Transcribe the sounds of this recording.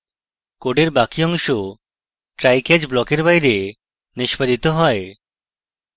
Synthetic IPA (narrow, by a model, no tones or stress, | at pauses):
koɖeɾbakiɔŋʃo | ʈɾajked͡ʒblɔkeɾbajɾe | niʃpad̪it̪oɦɔe